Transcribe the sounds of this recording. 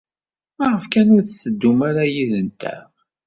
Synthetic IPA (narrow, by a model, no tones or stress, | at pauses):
maʁəfkænʊɾθsəd̪ːumaɾajiðənt̪æ̰